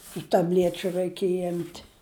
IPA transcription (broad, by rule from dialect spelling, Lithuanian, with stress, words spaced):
tʊ tɐˈbʲlʲiɛt͡ʃʲʊ ˈrɐɪkʲiɛj ˈɪmʲtʲ